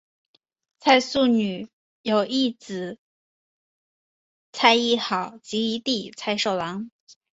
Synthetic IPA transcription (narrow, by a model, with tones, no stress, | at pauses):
t͡sʰa˥˧ɪsu˥˩ny˨˩ | jo˨˩ʊʔi˥˩t͡sɹ̩˨˩˦ | t͡sʰa˥˧ɪi˥˩xɑ˨˩˦ʊt͡ɕi˧˥i˧˥t̪i˥˩t͡sʰa˥˧ɪʂo˥˩ʊlɑ˧˥ŋ